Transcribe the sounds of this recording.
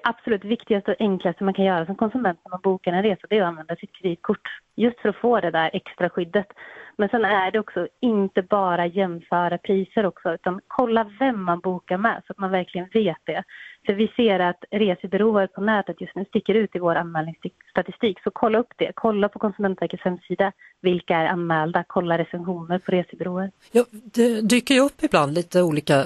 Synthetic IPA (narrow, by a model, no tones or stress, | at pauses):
ʔab̥sɔlʉːt̪vɪkt̪ɪɡast̪əɔʔɛŋklast̪əmankʰanjœːɾasɔmkʰɔnsɵmɛnt̪næɾmanbuːkaɾɛnɾeːsad̪ɛɔanvɛnd̪asɪt̪̚kʰɾɛd̪iːt̪̚kʰʊʈːjɵst̪fœɾɔfoːd̪ɛd̪æɾʔɛkst̪ɾaɧʏd̪ːət̪mɛnsɛnæɖɛɔksɔɪnt̪əbɑːɾajɛmːfœːɾapʰɾiːsəɾɔksɔʉ̟ːt̪ankʰɔlːavɛmːanbuːkaɾmɛ̰sɔat̪manvæɾklɪɡənveːt̪̚d̪ɛfœɾvɪseːɾat̪ɾeːsəbɛɾoːəɾpʰɔnɛːt̪ət̪jɵst̪nʉːst̪ɪkːəɾʉ̟ːt̪ɪvoːɾanmɛːlnɪŋst̪st̪at̪ɪst̪iːksɔkʰɔlːaɵpːd̪̥ɛkʰɔlːapʰɔkʰɔnsɵmɛnt̪vɛɾkət̪shɛmːsiːd̪a | vɪlkaæɾa̰nmɛːld̪akʰɔlːaɾɛsɛnɧuːnəɾpʰɔɾeːsəbɛɾoːəɾ | jɑːd̪ɛd̪yːkəɾjɵɵpːɪbland̪liːt̪əuːliːka